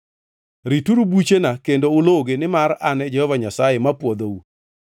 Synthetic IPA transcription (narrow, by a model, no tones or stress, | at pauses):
ɾituɾubut͡ʃenakendoʊloɡenɪmaɾanɛd͡ʒɛhɔvaɲasajemapwod̪ou